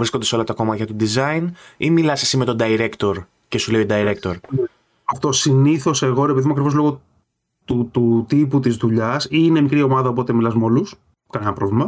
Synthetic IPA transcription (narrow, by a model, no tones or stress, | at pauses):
vɾiskod̪ɐso̞lɐt̪ɐko̞mɐçɐt̪ud̪izɐjnimilɐsesime̞t̪o̞d̪ɐiɾe̞kt̪o̞ɾ | ce̞suleid̪ɐiɾe̞kt̪o̞ɾ | ɐft̪osiniθo̞se̞ɣo̞ɾepiðimuɐkɾivo̞zlo̞ɣo̞ | t̪ut̪ut̪iput̪izðuʎɐsine̞mikɾio̞mɐðɐo̞p̬o̞t̪e̞milɐzmolus | kɐnenɐpɾo̞vlimɐ